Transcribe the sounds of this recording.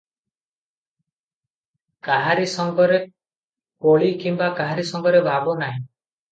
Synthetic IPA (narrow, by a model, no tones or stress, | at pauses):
kaɦaɾisɔŋɡɔɾe | poɭikimbakaɦaɾisɔŋɡɔɾebʱabɔnaɦĩ